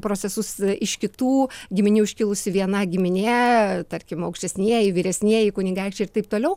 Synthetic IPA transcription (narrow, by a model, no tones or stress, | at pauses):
pɾoːtt͡sʲsʲɛsʊsɪʃkʲɪt̪uːɡʲɪmʲɪnʲuːʊʃʲkʲɪlˠʊsʲɪʋʲiɛnɐɡʲɪmʲɪnʲet̪ɐɾʲkʲɪmɐʊkʃʲtʲɛsʲnʲiɛjɪʋʲiːɾʲɛsʲnʲiɛjɪkʊnʲɪŋɡɑɪkt͡ʃʲɛɪrtɐɪp̚t̪oːlʲɛʊ